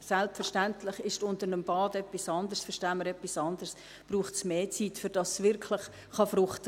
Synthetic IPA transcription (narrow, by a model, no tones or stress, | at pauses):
sɛlpfɛɾʃtæntʰlɪχɪʃtʊntəɾnəmb̥ɑːdɛpːisɑndəɾsfəɾʃtæːməɾɛpːisɑndərs | b̥ɾuːχtsmeːt͡sitfʏɾd̥ɑsːʋɪrkʰlɪχ | χɑfɾʊχt